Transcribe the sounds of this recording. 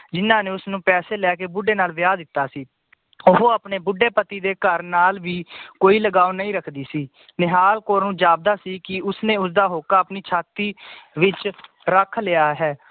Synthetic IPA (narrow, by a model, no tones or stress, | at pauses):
d͡ʒɪnãːneːʊsnũːpɛːseːlɛːkeːbʊɖeːnaːlʋɪjaːd̪ɪt̪ːaːsiː | oɦoːapneːbʊɖːeːpət̪iːd̪eːkəɾnaːlʋiːkoːiːləɡaːonəĩːɾəkʰd̪iːsiː | nɪɦaːlkoːɾnũːd͡ʒaːb̚d̪aːsiːkɪʊsnẽːʊsd̪aːɦoːkaːəpniːt͡ʃʰaːt̪iːʋɪt͡ʃ | ɾəkʰlɪjaːɦɛː